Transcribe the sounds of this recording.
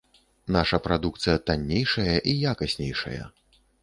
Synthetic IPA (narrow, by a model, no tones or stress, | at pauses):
naʂɐpɾad̪ukt̪sɨjɐt̪anʲːejʂɐjɐʔijakɐsʲnʲḛjʂɐ̰jɐ̰